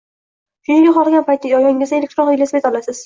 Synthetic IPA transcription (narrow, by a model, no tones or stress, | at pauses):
kʰeŋɡʲaqɒlˠɡʲanpʰajt̪ʰːajɒjɒŋʲɪzd̪aelʲek̚ʲt̪ɾonilesbet̪ɒlˠasɪz̥